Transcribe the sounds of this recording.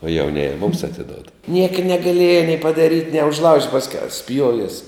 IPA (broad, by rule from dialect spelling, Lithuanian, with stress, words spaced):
oː jɛʊˈnʲeːjɛ mʊms ɐtʲɪˈdoːt ˈnʲiɛkɐ nʲɛɡɐˈlʲiɛjɛ nʲɛɪ pɐdɐˈrʲiːtʲ nʲiɛ ʊʒˈlˠɐʊʃʲtʲ pɐsʲˈkʲɛʊ ˈsʲpʲjuɔʋʲiɛs